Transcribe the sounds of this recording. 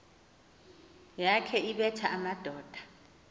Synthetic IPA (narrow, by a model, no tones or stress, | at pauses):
jakʰɛiɓɛtʰaʔamad̥ʱɔːd̥ʱḁ